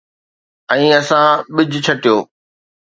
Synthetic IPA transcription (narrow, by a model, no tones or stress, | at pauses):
ɛ̃ːɐsãɓɪd͡ʑʱt͡ɕʰɐʈijoː